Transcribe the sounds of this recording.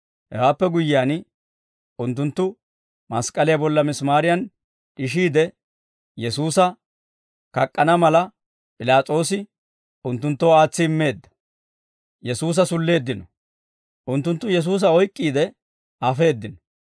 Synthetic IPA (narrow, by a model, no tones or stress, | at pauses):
hɛ̰waːpːɛɡʊjːɪaːn | ʊnt̪ːʊnt̪ːʊ | mɐskʼɐlɪjɐbɔlːɐmɪsmaːɾɪjɐn | ᶑɪʃ̬iːd̪ɛ | jɛsuːsɐ | kɐkʼːɐnɐmɐlɐ | pʼɪlaːt͡sʼo̞ːs̬ɪ | ʊnt̪ːʊnt̪ːoːaːt͡sːɪɪmːe̞ːd̪ːɐ̥ | jɛsuːs̬ɐsʊlːe̞ːd̪ːɪnɔ | ʔʊnt̪ːʊnt̪ːʊjɛs̬uːs̬ɐɔjkʼːiːd̪ɛ | ɐfe̞ːd̪ːɪnɔ̥